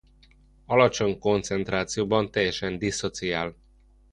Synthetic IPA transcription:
ɒlɒt͡ʃo̞ɲko̞nt̪sɛnt̪raːt̪sijoːbɒnt̪ɛjːɛʃɛnd̪isːo̞t̪sijaːl

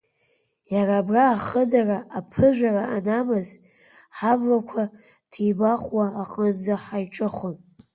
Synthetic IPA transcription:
jaɾaːbraːχədaraʔːpʰɨʒʷaraanamɨz | ħavlakʷʰa | tʰibaχwaːqʼənd͡zaħajʈ͡ʂʼɨχon

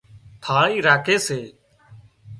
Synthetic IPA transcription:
t̪ʰaːiːɾaːkʰeːseː

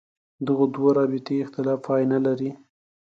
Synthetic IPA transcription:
d̪əɣod̪woɾɑbɪt̪eɪxt̪ɪlɑfɑjnalaɾi

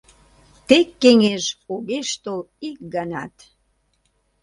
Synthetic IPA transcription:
t̪ekːeŋeʒoɣeʃt̪ol | ik̚ɡɑnɑt̪

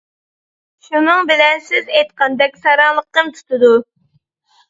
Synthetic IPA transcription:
ʃunɨŋbɪlɛnsɪzɛjt̪̚qʰɑnd̪ɛkʲsɑɾɑŋlˠəqːəmt̪ʰu̥t̪ʰɨd̪u

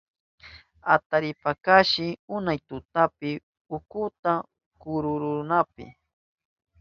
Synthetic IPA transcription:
at̪aɾɪpakaʃɪʊnajt̪ʊt̪apɪ | ʊkʊt̪a | kʊɾʊɾʊnapɪ̰

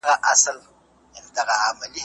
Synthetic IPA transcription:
ɣaʔasal | amdaɣaamali

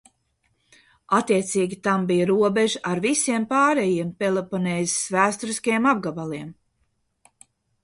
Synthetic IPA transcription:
at̪ːiɛt̪siːɡʲit̪ambijaɾuɔbeʒʔaɾvisiɛmpaːɾɛjiɛmpɛlˠepɔnɛːjz̥svæːst̪ɔɾiskajɛmab̚ɡabalˠiɛm

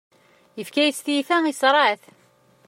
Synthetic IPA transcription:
jəfkæjst̪ifæisɾˤɑʕθ

